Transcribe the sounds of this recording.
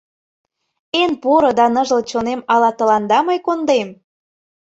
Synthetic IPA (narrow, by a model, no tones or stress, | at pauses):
enpoɾɤ̆d̪ɑnə̆ʒə̆lt͡ɕonemɑlɑt̪ɤ̆lɑnd̪ɑmɤjkond̪em